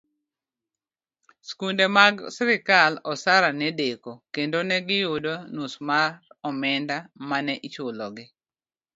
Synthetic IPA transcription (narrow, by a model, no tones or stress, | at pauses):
skundemaɡsɾɪkalɔsaɾanɛdekokendonɛɡɪjodonusmaɾɔmɛndamanɛʔit͡ʃolɔɡɪ